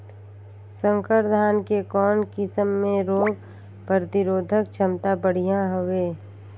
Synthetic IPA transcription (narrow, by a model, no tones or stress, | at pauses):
sə̃ŋkəɾd̪ʱaːnkekɔːnkɪsəmːẽɾoːɡ | pəɾt̪ɪɾoːd̪ʱəkt͡ʃʰəmt̪abəɽ̤ijãɦoʋeː